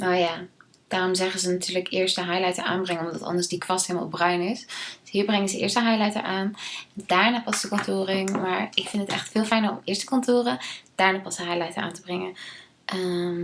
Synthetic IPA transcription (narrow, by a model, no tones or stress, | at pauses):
nawjaː | d̥aːrɔmzɛχəzənatyːləkɪːɹstəɦajlajtəɹa̰ːnbrɛŋənɔmdɑ̰tɑ̰ndəɹsdikʋɑstɦelˠma̰lˠbrœɥnɪsd̥ɵsɦiːɹbrɛŋəzəʔɪ̰ːɹstəɦajlajtə̰ɹʔaːndaːɹnaːpɑsdəkɔntoːrɪŋmaːɹɪkfɪntətɛ̰χtfɪːlˠfɛjnəɹɔ̰mɪːɹstə̥kɔntoːrəd̥aːɹnaːpɑsəɦajlajtə̰ɹʔa̰ːntəbrɛŋə | ʔəm